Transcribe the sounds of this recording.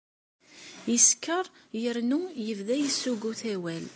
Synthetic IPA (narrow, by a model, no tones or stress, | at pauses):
jəskːəɾˤjəɾnujəvðæjəsːuɡuθæwæl